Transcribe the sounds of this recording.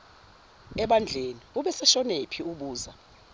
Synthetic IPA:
ɛɓand͡ɮʱeniuɓɛsɛʃɔnepʰiuɓuːza

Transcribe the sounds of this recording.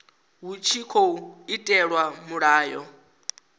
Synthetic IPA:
ɦut͡ʃʰikʰouitʼɛɺwamuɺaːjɔ

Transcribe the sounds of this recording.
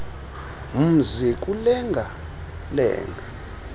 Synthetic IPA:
m̩zik̬ʼulɛŋɡʱa | lɛ̰ːŋɡʱa

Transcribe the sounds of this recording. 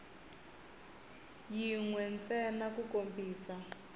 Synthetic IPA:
jiŋwɛnt͡sɛnakukombiːsa

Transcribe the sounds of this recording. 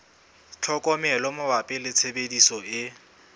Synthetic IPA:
t͡ɬʰɔkʼɔmɛlɔmʊbapʼɪlɪt͡sʰebedisɔɪ

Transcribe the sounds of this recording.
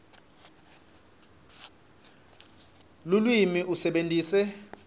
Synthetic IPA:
lulwimiʔusɛɓentʼiːsɛ

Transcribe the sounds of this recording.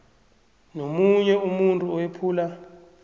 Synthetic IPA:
nomuɲɛumuntʼuɔwepʰuːla

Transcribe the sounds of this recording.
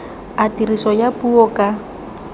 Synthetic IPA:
atirisɔjapuɔkʼa

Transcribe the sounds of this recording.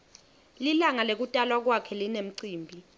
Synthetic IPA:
lilaŋalek̬utʼalwak̬wakʰɛlinem̩ǀiːmbʱi

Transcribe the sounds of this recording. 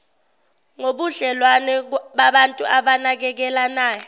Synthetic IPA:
ŋoɓuɮɛlwanɛɓaɓantʼuʔaɓanak̬ɛk̬ɛlanaːjɔ

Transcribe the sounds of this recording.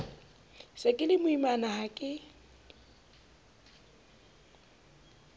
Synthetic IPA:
sakʼɪlɪmʊimanahakʼɪ

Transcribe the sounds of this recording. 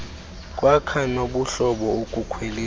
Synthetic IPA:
kʼwakʰanoɓuɬɔɓɔukʼukʰweliː

